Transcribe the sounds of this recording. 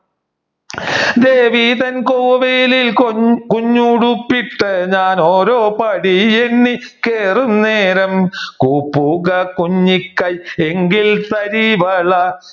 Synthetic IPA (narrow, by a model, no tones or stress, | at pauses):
d̪eːʋiːðɐnkoːʋelilkuɲːuɽupːiʈːɐɲaːnoːɾoːpɐɽieɳːi | keːrumneːɾɐmkuːpːuɣɐkuɲːikːɐjeŋɡilt̪ɐɾiʋɐɭɐ